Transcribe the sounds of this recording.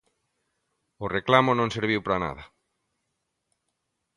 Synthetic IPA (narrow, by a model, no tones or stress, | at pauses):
ʊreklamʊnõŋseɾβ̞iwpɾana̰ð̞a